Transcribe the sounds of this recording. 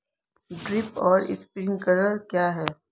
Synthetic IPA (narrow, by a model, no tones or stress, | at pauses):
ɖɾɪpɔːɾɪ̰spɾɪ̃ŋɡkɐɾəɾkjaːɦɛː